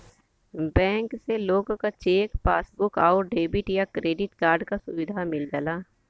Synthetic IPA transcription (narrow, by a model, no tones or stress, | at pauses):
bɛ̃ːŋkseloːɡkat͡ʃeːkpaːsbʊkaːʊɾɖeːbɪʈjakɾeːɖɪʈkaːɾɖkasʊʋɪd̪ʱamɪld͡ʒəlaː